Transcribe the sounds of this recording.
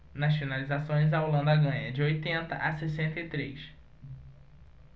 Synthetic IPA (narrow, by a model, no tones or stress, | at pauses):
nasonalizasõj̃zaolɐ̃nd̪ɐɡɐ̃ɲɐd͡ʒɪojt̪ẽnt̪ɐʔasesẽnt̪ɐɪt̪ɾejs